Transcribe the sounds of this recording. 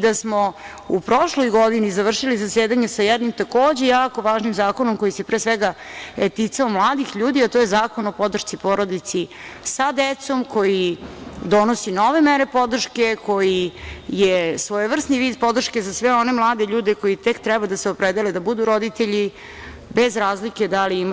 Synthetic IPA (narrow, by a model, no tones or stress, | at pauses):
d̪asmo | upɾo̞ʃlojɡo̞d̪inizaʋr̩ʃilizaseːd̪aɲesajɛd̪nimt̪ako̞ːd͡ʑe̞jaːko̞ʋaːʒnimzaːko̞nomko̞jise̞pɾeːsʋɛɡaɛt̪it̪saomlˠaːd̪ixʎuːd̪iat̪ojezaːkonopo̞d̪r̩ʃt̪sipo̞ɾo̞d̪it̪si | sad̪et̪so̞mko̞jid̪o̞nosino̞ʋemeɾe̞po̞d̪r̩ʃke̞ko̞jijesʋojeʋr̩sniʋiːd̪̚po̞d̪r̩ʃkezasʋeo̞ne̞mlˠaːd̪e̞ʎuːd̪eko̞jit̪ekt̪ɾɛbad̪aseo̞pɾed̪eled̪abud̪uɾo̞d̪it̪eʎi | bezɾaːzlike̞d̪aliim